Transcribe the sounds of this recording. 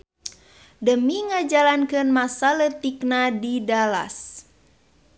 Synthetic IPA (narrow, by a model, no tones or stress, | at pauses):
dəmiŋad͡ʒalankɨnmasalət̪iknadidala̰s